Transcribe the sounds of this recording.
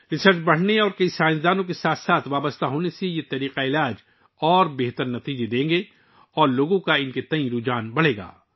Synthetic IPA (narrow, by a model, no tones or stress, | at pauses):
ɾɪsəɾt͡ʃbɐɽ̤neɔːɾkɐisaːɪ̃zd̪aːnõk̬esaːt̪ʰsaːt̪ʰʋaːbəst̪ʰaɦoːnesejet̪ɐɾiːqaɪlaːd͡ʒ | ɔːɾbeɦt̪əɾnɐt̪iːd͡ʒed̪ẽːŋɡe | ɔːɾloːɡõkaɪnket̪ɐĩɾuːd͡ʒaːnbɐɽ̤eːɡa̰ː